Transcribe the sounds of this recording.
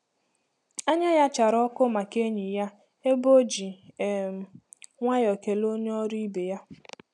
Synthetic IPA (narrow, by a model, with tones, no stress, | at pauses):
a˦ɲa˦ja˦t͡ʃa˨ɾɔ˦kʊ˦ma˨ke˦ɲi˨ja˦ | e˦bo˦d͡ʒi˨m˨ | ŋʷa˦jɔ˨ke˨lo˦ɲ˦ɔ˦ɾi˦i˦be˨ja˦